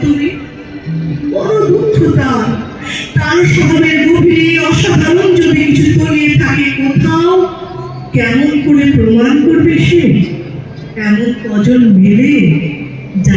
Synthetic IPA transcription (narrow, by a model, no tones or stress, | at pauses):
t̪umi | bɔɾobʱund͡ʑʰot̪aɾ | t̪aɾʃɔd̪ʱoneɾɡobʱinijɔʃad̪ʱaɾond͡ʑod̪ikit͡ɕʰut̪oniet̪ʰakekɔt̪ʰao | kɛmonkoɾepɾomankoɾbeʃe | ɛmonkɔd͡ʑonmele | d͡ʑa